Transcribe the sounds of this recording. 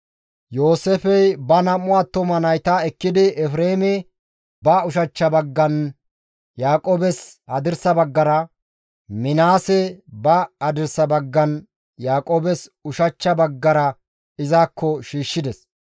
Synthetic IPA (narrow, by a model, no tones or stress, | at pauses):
jo̞ːsɛfɛjbɐnɐmʊwaːt̪ːɔmɐnɐjt̪aɛkːɪd̪ɪʔɛfɾeːmɛ | bɐʊʃɐt͡ʃːɐbɐɡːɐn | jaːkʼoːbɛshɐd̪ɪɾsɐbɐɡːɐɾɐ | mɪnaːsɛbɐhɐd̪ɪɾsɐbɐɡːɐn | jaːkʼoːbɛsʊʃɐt͡ʃːɐbɐɡːɐɾɐ | ɪzaːkʰːɔʃiːʃːɪd̪ɛs